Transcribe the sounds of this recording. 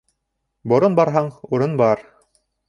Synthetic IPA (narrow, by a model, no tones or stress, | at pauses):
bŏɾonbɑɾɦɑɴuɾɤnbɑɾ